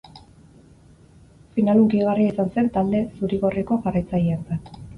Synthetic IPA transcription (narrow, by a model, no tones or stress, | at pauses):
finalukiɣariisanse̞nt̪ald̪e̞suɾiɣo̞riko̞ʝarajt͡sajient͡sat̪